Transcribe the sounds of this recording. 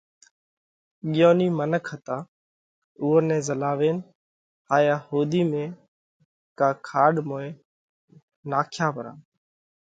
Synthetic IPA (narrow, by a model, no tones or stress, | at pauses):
ɠɪjoːniːmənəkʰhət̪aː | ʊːənɛ̃ːzəlaːʋeːn | aːjaːhoːd̪iːmẽː | kaːkʰaːɗmoːeː | naːkʰjaːpəɾa̰ː